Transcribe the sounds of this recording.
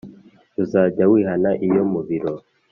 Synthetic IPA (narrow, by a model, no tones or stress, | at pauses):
uzaːɟawiːɦanaʔijo̞muβiɾo